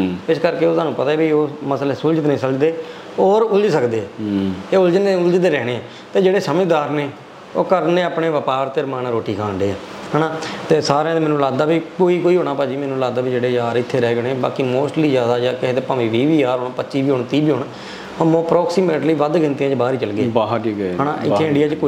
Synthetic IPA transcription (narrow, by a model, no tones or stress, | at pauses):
ɪskəɾkeːoːt̪aːnũːpət̪aɛːbioːməslɛːsʊld͡ʒət̪nə̃ĩːsəld͡ʒd̪eː | ɔːɾʊld͡ʒsəkd̪eːeːʊld͡ʒnʊld͡ʒd̪eːɾɛːɽeːɛ̃ː | t̪eːd͡ʒeːɽeːsəməd͡ʒd̪aːɾneː | o̰ːkəɾneːaːpneːʋəpaːɾt̪eːɾmaːnːɾoːʈiːkʰãːɳɖeːɛː | ɦɛːnaːt̪eːsaːɾãːmɛːnũːlaːɡ̚d̪aːbiːkoːiːkoːiːɦoːɳ̃aːpaːd͡ʒiːmɛːnũːlaːɡd̪aːbiːd͡ʒeːɽeːjaːɾɪt̪ʰːeːɾɛːɡəɽẽːba̰ːkiːmoːsʈliːzjaːd̪aːd͡ʒakɪɦeːt̪eːpaːʋĩːʋiːbiːaːɾɦoːɳpətːʃiːbiːɦoːɳt̪iːbiːɦoːɳ | əmõːpɾɔːksiːmẽːʈliːʋəd̪kɪnt̪iãːd͡ʒbaːɾiːt͡ʃəlɡeːaɦʈiːkːɦɛːnã̰ːʔɪ̰ːeːɪ̃ɳɖijaːt͡ʃk